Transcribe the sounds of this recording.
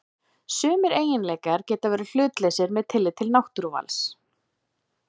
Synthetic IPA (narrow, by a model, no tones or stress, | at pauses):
sʏːmɪɾeːjɪnlɛːkaɾ̥cɛːt̪avɛːɾɪl̥ʏːt̪lejsɪɾmɛðt̪ʰɪlːɪt̪ʰɪlnawht̪ʏɾva̰ls